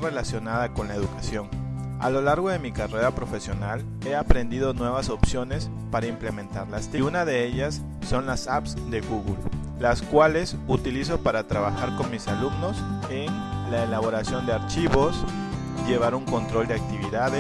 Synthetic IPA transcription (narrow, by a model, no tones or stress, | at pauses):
relasjo̞naðako̞nlaeðukasjo̞ŋ | a̰lo̞laɾɣo̞ðe̞mikare̞ɾapɾo̞fe̞sjo̞nal | e̞apɾe̞nd̪iðo̞nwe̞βaso̞psjo̞ne̞s | paɾaimplemẽ̞nt̪aɾlast̪iunaðe̞eʎasː | o̞nlasapsd̪e̞ɣuɣulː | askwale̞sut̪ilis̬o̞paɾat̪ɾaβaxaɾko̞nmisalumno̞sen | laelaβo̞ɾasjo̞nd̪e̞aɾt͡ʃiβo̞s | ʝe̞β̞aɾuŋko̞nt̪ɾo̞ld̪eak̚t̪iβiðaðe